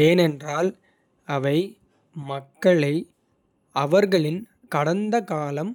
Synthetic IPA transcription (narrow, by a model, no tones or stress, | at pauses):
eːnɛndraːl | ɐʋɐɪ | mɐkːɐɭɐɪ | ɐʋɐɾɣɐɭɪn | kɐɽɐnd̪ɐkaːlɐm